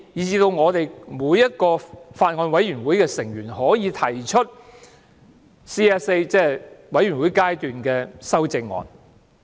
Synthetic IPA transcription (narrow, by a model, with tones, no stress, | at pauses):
jiː˨t͡siː˧t̪o˧wŋɔː˨˧t̪e˨jmuː˨˧jːɐ˥t̚kɔː˧faː˧t̚ŋɔː˧nwɐ˨˥jɥy˨˩nwuː˨˥jkɛː˧sɪ˨˩ŋjyː˨˩nhɔː˨˥jiː˨˧t̪ʰɐ˨˩jt͡ʃʰɵ˥t̚ | siː˥ɛ˥se˥jt͡sɛː˥˨wɐ˨˥jy˨˩nwuː˨˥jkaː˥jt̪yː˨nkɛː˧sɐ˥wt͡sɪ˧ŋːɔ̰ː˨n